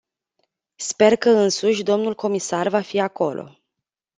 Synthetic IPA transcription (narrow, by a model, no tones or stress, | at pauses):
spe̞rkəɨnsuʃʲd̪o̞mnulko̞misarvafiako̞lʔo̞̰